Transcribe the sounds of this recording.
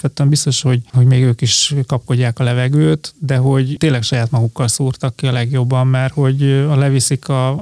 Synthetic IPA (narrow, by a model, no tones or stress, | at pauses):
pʋɛt̪ːyɛmbist̪o̞ʃho̞ɟho̞ɟmeːɡøːkiʃkɒp̚ko̞ɟːaːkɒlɛvɛɡøːt̪d̪ɛɦo̞ɟt̪eːnlɛkʃɒjaːt̪mɒɡukːɒlsuːrt̪ɒkːiɒlɛɡjo̞bːɒmːaːrho̞ɟɒlɛvisikɒ